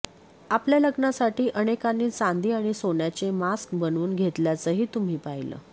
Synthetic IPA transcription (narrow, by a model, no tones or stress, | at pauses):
apljaləɡnasaʈiːʔənekanːiːt͡sãnd̪iːaɽ̃isoɳjat͡semaskbənuːnɡʱet̪ljat͡səːɦiːt̪um̤iːpajlə̰ː